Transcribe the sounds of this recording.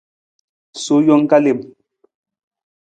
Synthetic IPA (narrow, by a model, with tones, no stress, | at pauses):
so˨˦jɔ˦ŋ˦ka˦le˨m